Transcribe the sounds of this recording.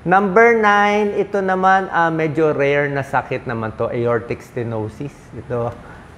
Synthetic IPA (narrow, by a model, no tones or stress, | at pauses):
nɐmbɛɹnajnʔɪt̪o̞nɐmanʔɐmɛd͡ʒoɾɛjɛɹnɐsɐkɪt̪̚nɐmant̪o̞ʔɐjoɹt̪ɪkst̪ɛnowsisɪt̪o